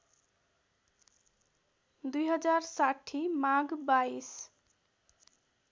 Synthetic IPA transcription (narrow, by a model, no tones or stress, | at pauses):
d̪ujɦʌd͡zaɾsaʈʰːimaɡbais